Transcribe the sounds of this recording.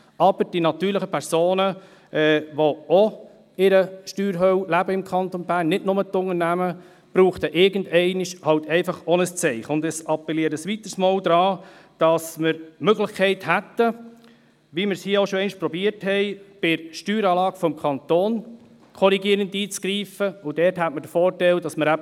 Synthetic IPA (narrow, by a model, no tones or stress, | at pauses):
ɑb̥əɾd̥inɑt̪yːɾləχəpʰɛɾsoːnə | ʔɛːʋoo | ɪɾəʃtyːɾɦœwlæbəɪmkʰɑnt̪onbæːɾnːɪdnʊmətʊŋəɾnæmə | b̥ɾuːχt̪əʔɪɾɡən̩dɛɪnɪʃhɑwtɛɪfɑχɔnəst͡sɛɪχəʊndəsɑpːɛliəɾəsʋit̪əɾsmoːld̪ɾɑː | d̥ɑsməɾmøɡlɪχkʰɛɪthæt̪ːə | ʋiməɾshiːəoʃɔɛɪnɪʃpɾɔbiəɾthɛɪb̥ɪɾʃtyːɾɑːlɑːɡfɔmkʰɑnt̪oːn | kʰɔɾiɡiəɾəndiːt͡sɡ̥ɾiːfəʊd̥ɛːɾthætmədəfɔːɾtɛldɑsməɾæ